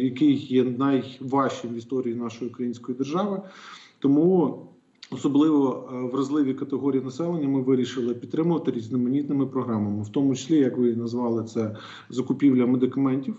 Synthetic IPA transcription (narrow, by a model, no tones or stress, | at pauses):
jɐkɪjjɛnɐjʋɑʃt͡ʃɪmʋʲist̪ɔɾʲijinɑʃɔjiʊkɾɐjinʲsʲkɔjid̪erʒɑʋɪt̪ɔmu | ɔsɔblˠɪʋɔʋɾɐzlˠɪʋʲikɐt̪eɦɔɾʲijinɐsɛlˠenʲːɐmɪʋɪɾʲiʃɪlˠɪpʲid̪̚t̪ɾɪmʊʋɐt̪ɪɾʲizʲnɪmɐnʲit̪nɪmɪpɾɔɦɾɑmɐmɪwt̪ɔmʊt͡ʃɪ̥sʲlʲijɐkʋɪnɐzʋɑlˠɪt̪sɛ | zɐkʊpʲiwlʲɐmed̪ɪkɐmɛnʲtʲiw